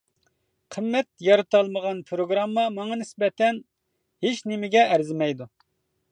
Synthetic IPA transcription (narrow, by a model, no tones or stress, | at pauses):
qʰəmːɛt̪̚jɑɾɨt̪ɑlˠməʁɑnpʰɾoɡɾɑmːɑmɑŋɑnɪsbɛt̪ʰɛn | het͡ʃnemɪɡʲɛʔːɾzɪmɛjd̪u